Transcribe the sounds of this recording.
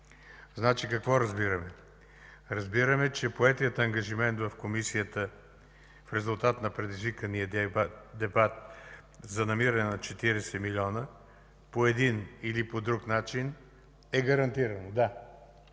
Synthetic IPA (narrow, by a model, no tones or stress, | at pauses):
znat͡ʃikɐkvɔɾɐzbiɾəmɛ | ɾɐzbiɾəmɛt͡ʃɛpoɛt̪ijət̪əŋɡɐʒimɛnt̪vɐfkomisijət̪ə | fɾɛzulˠt̪at̪nɐpɾɛd̪izvikəniəd̪ɛbat̪ | zɐnɐmiɾɐnɛnɐt͡ʃɛt̪iɾɛsɛmilʲiɔnə | poɛd̪inilipod̪ɾuknat͡ʃin | ɛɡɐɾɐnt̪iɾɐnod̪a